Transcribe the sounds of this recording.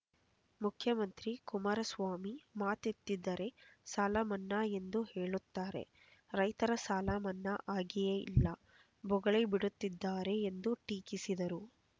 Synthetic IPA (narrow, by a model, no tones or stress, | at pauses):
mukʰjɐmɐnt̪ɾikumaːɾɐsʋaːmimaːt̪it̪ːid̪ːɐɾe̞saːlaːmɐnːɐe̞nd̪uhe̞ːɭut̪ːaːɾe̞̰ | ɾɐjt̪ɐɾɐsaːlamɐnːɐʔaːɡijeḭlːɐ | bɔɡɐɭebiɽut̪ːid̪ːaːɾe̞ːnd̪uʈiːkisid̪ɐɾu